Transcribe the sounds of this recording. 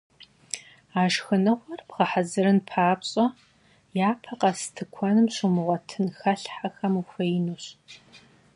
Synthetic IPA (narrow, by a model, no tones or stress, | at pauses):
aːʒxɨnɨʁʷɔrpʁɐħazɨɾɨnpʰaːpɕʼɔ | jaːpʰɐqɐsɨ̥tʰɨkʷʰɔnɨmɕʊmɨʁʷɔtʰɨnxɐɬħaxɐmuxʷɐjɪnuɕ